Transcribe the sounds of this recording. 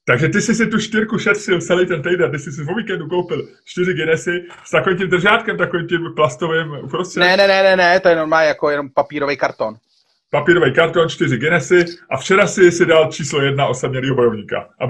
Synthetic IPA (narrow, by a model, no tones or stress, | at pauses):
t̪aɡʒɛt̪ɪsɪsɪt̪uʃt̪ɪɾkuʃɛt̪r̥ɪltt͡sɛlɛjt̪ɛnt̪ɛjdɛnt̪̬ɪsɪs̬ɪpoviːkɛnduko̞wpɪl | t͡ʃt̪ɪrɪɡɛnɛsɪ | st̪ako̞viːmcimd̪r̩ʒaːt̪kɛmt̪akovimc̪implast̪o̞vɪmʔupɾost̪r̥ɛnɛnɛnɛnɛnɛt̪ojɛnoɾmaːjakojɛnompapiːɾovɛjkaɾt̪on | papiːɾo̞vɛjkaɾt̪o̞nt͡ʃt̪ɪrɪɡɛnɛsɪʔaft͡ʃɛɾasɪsɪdalt͡ʃiːslo̞jɛdnao̞sabɲɛliːɦo̞bo̞jo̞vɲiːka̰ʔa